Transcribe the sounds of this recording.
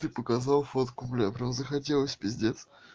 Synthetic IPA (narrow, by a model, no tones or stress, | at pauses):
t̪ɨpəkɐzɑlˠfot̪kʊplʲapɾʲamzəxɐt̬ʲe̞lˠəsʲbʲɪzʲdʲet̪s